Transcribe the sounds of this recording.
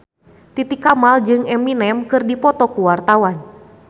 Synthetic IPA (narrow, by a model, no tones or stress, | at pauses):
t̪it̪ikamald͡ʒɨŋɛminɛmkɨrdipɔt̪ɔkuwart̪awan